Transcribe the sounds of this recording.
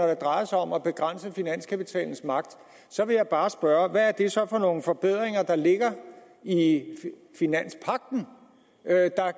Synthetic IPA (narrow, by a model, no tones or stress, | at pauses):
ɒɾ̥ed̥ʁɑ̈ɪɐsɑ̈ɒ̽mæb̥e̝ɡ̥ʁan̰səfinæn̰skʰæpit͡sʰɛ̰ːln̩smɑ̈ɡ̥d̥ | sɒ̽ʋe̝jɑ̈ɪb̥ɑ̈ːsb̥ɶɐʋæːɐd̥e̝sɒ̽fɒ̽no̝ːn̩fɒ̽b̥e̝ð̞̰ˠʁeŋɐd̥ɑ̈le̝ɡ̥ɐ | i | finæn̰spʰɑ̈ɡ̥̚d̥n̩ | d̥ɑ̈